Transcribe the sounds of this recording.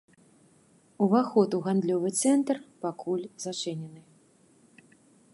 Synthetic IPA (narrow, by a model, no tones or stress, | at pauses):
uvaxɔt̪uɣand̪lʲɔvɨt̪sɛnt̪rpakʰulʲzat͡ʂɨnʲɛnɨ